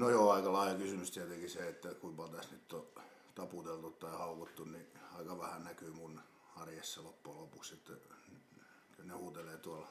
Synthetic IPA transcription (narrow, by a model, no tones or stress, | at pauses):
nojoɑikɑlɑˑilɑkysymyst̪iæt̪eŋkiseet̪ːækuimpɑt̪æsnyt̪ːo | t̪ɑput̪elt̪ut̪t̪ɑihɑukot̪ːunniɑikɑʋæhænækyˑmun | ɑrjesːɑlopːulopukset̪ːæ̰ny | yneuːt̪eleːt̪uɑl